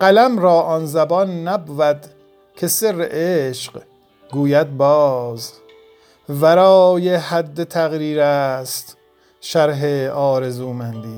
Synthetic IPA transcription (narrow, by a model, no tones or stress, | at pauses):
ɢ̥ælæmɾɒːʔɒːnzæbɒːnːæbuvæd̪ | kʲʰesereʔeʃq | ɡuːjæd̪̚bɒːz | bæɾɒːjehæd̪ːet̪ʰæɣɾiːɾæst̪ | ʃæɾɦeɒːɾezuːmænd̪iː